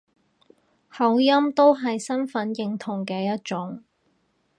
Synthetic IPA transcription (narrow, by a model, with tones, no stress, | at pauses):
hɐ˨˥wjɐ˥mt̪o˥wɦɐ˨jsɐ˥nfɐ˨˧˥njɪ˨ŋt̪ʰʊ˨˩ŋkɛː˧jɐ˥t̚t͡ʃʊ˨˥ŋ